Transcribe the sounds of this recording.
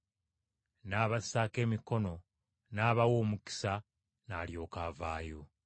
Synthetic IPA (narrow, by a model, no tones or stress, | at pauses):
naːβasaːke̞ːmiko̞no̞ | naːβawo̞ːmuki̥sa | naːljo̞ːkaːvaːjo̞